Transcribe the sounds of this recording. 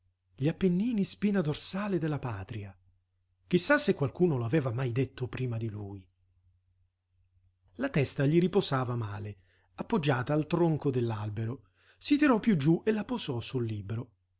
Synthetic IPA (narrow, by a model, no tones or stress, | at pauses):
ʎiapːenːiːnispiːnad̪orsaːled̪elːapaːt̪ɾia | k̟isːasːekwalkuːnoloavɛːvamajd̪et̪ːopɾiːmad̪iluːj | lat̪ɛst̪aʎiɾipozaːvamaːle | apːod͡ʒːaːt̪aːlt̪ɾoŋkod̪elːalbeɾo | sit̪iɾɔpːjud͡ʒːuʔelːapozɔsulːiːbɾo